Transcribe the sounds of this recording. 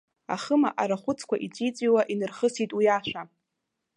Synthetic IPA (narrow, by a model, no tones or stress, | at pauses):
a̰χəma̰ʔaɾaχʷʊt͡sʰkʷaʔit͡sʷʼit͡sʷʼiwaʔinɨrχəsitʼwijaʃʷᶣa